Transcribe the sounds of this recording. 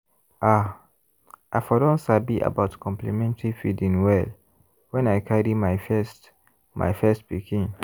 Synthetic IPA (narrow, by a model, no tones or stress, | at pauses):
ʔa | ʔaɪfɔdɔ̃nsabiʔa̰baʊtkʰɔ̃mplimɛ̃ntaɹifidĩnwɛl | wɛ̃najkʰaɹimaɪfɛst | mʔa̰jfɛst̚pikĩn